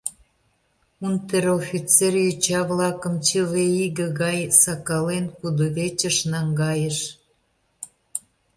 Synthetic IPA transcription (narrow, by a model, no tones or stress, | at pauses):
unt̪eɾofʲit͡serjøt͡ɕɑβlɑkə̆mt͡ɕəveiɣə̆ɣɑjsɑkɑlenkud̪oβet͡ɕə̆ʃnɑŋɡɑjəʃ